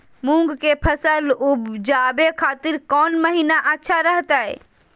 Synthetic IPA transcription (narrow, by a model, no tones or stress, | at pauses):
mũŋɡkepʰəsəlubd͡ʒabekʰaːt̪ɪɾkɔːnməɦinaʔətːʃʰaɾəɦt̪ae